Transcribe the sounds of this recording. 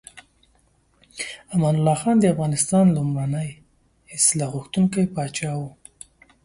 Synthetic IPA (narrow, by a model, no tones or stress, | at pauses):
amanʊlːɑxɑnd̪əafɣɑnɪst̪ɑnlumɽanaj | ɪslɑɣʊxt̪uŋkajpɑt͡ʃɑwu